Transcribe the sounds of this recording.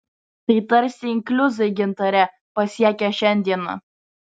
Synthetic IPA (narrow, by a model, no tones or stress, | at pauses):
t̪ɐɪt̪ɐɾʲsʲɪɪŋʲklʲʊzɐɪɡʲɪnt̪ɐɾʲɛ | pɐsʲiɛkʲɛʃʲɛnʲd̪ʲiɛnɐ̰